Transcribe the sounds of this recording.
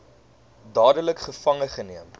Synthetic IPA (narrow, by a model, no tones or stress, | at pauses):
dɑːdələkχəfɐŋəχəniəm